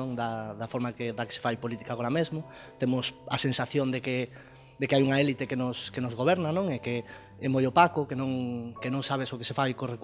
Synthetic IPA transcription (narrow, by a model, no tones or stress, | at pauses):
ŋd̪ɐðɐfoɾmakeðɐke̥se̥fajpolit̪i̥kaɣoɾamezmo | t̪emʊsɐsensaθjond̪eke | d̪ekeajuŋɐɛlit̪ekenʊskenʊzɣoβɛɾnanõŋeke | ɛmojopakokenõŋkenõŋsaβ̞esoke̥sefajkorek